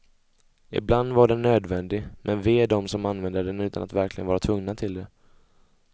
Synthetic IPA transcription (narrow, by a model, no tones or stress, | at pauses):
ɪ̰bland̪vaɖɛnːøːd̪vɛnd̪ɪmʔɛnveːd̪ɔmsɔmanvɛnd̪əɖɛnʉ̟ːt̪anat̪væɾklɪɡənvɑːɾat̪ʰvɵŋnat̪ʰɪld̪ɛ